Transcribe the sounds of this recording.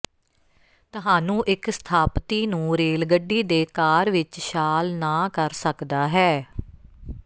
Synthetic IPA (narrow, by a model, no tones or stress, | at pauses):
t̪ʊɦaːnũːʔɪkst̪ʰaːpt̪iːnũːɾeːlɡəɖiːd̪eːkaːɾʋɪt͡ʃʃaːlnaːkəɾsəkd̪aːɦɛː